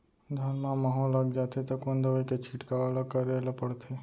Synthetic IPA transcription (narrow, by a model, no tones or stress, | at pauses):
d̪ʱənmãmaɦɔlːaɡd͡ʒat̪ʰet̪ɔkond̪əʋəket͡ʃʰiʈkaʋelakəɾelapəɽt̪ʰe